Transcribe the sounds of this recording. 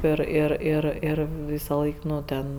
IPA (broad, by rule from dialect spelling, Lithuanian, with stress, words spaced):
ˈɪr ˈɪr ˈɪr ˈɪr ˈʋʲiːsɐˌlˠɐɪk ˈnʊ ˈtʲɛn